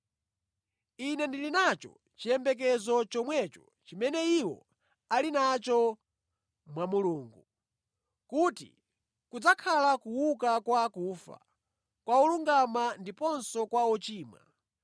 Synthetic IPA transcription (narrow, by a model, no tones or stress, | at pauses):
inɛndilinat͡ʃɔ̰ | t͡ʃijɛmbɛk̬ɛzɔt͡ʃɔmwɛt͡ʃɔ̥ | t͡ʃimɛnɛiwɔ̰ | alinat͡ʃɔ | mwamuluːŋɡu | kutḭ | kud͡zakʰalakuwuk̬akwaːkuːfa̰ | kwauluŋɡamandipɔnsɔkwaɔt͡ʃiːma̰